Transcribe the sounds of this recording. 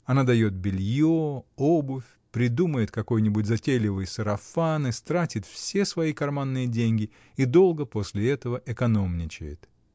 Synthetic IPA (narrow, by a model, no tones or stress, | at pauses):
ɐnad̪ɐjo̞t̪̚bʲɪlʲjoobʊfʲ | pɾʲɪd̪uməjɪt̪kɐko̞jnʲɪbʊt̚ʲzɐtʲelʲɪvɨjsəɾɐfanɨst̪ɾatʲɪt̪fsʲe̞svɐikɐrmanːɨjədʲenʲɡʲɪ | id̪o̞lˠɡəpo̞sʲlʲɪɛt̪əvəʔɛkɐno̞mnʲɪt͡ɕɪ̰jɪ̰t̪